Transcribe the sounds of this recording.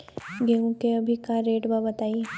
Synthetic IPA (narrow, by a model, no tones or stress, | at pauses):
ɡeũkeɐbʱikaɾeːʈbabɐt̪aːi